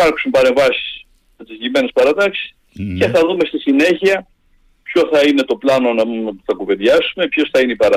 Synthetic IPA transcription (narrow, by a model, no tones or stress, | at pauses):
pɐɾksumpɐɾe̞ɱvɐsi̥s | jɐt̪izime̞ne̞spɐɾɐt̪ɐksi̥s | ce̞θɐðume̞st̪isine̞çiɐ | pço̞θɐine̞t̪o̞plɐno̞nɐumuθɐkuve̞ðʝɐsume̞pçosθɐineipɐɾɐ